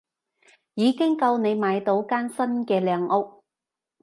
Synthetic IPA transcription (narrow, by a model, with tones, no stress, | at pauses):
jiː˨˧kɪ˥ŋkɐ˧wne˨˧jmaː˨˧jt̪o˨˥wkaː˥nsɐ˥nkɛː˧lɛː˨˧ŋʔʊ˥k̚